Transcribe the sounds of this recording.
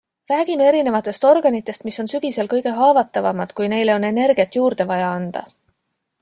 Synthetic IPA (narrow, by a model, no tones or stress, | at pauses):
ræːɡ̥ime̞e̞ɾine̞vɑt̪ːˑe̞st̪o̞rɡ̥ɑnit̪ːˑe̞st̪miso̞nsyɡ̥ise̞lkɤjɡ̥e̞ɦɑːvɑt̪ːˑɑvɑmɑd̪̥kujne̞jleo̞ne̞ne̞rɡ̥ijɑt̪juːrd̪̥e̞vɑjɑɑnd̪̥ɑ̰